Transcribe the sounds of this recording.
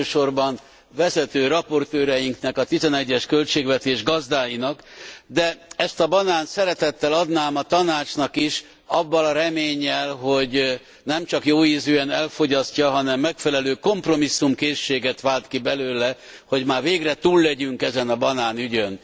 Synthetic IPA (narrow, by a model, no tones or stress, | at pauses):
øːʃo̞rbɒn | vɛzɛt̪øːɾɒpo̞rt̪øːɾɛjiŋknɛkɒt̪izɛnɛɟːɛʃkølt͡ʃeːɡʋɛt̪eːʒɡɒzd̪aːjinɒkd̪ɛɛst̪ɒbɒnaːnsɛɾɛt̪ɛt̪ːɛlɒd̪naːmɒt̪ɒnaːt͡ʃnɒkiʃ | ɒbːɒlɒɾɛmeːɲːɛlɦo̞ɟ | nɛmt͡ʃɒkjoːiːzøːɛnɛlfo̞ɟɒscɒɦɒnɛmːɛkfɛlɛløːko̞mpro̞misːumkeːʃːeːɡɛt̪ʋaːlt̪kibɛløːlɛ | ho̞ɟmaːrveːɡrɛt̪uːlːɛɟyŋkɛzɛnɒbɒnaːnyɟøn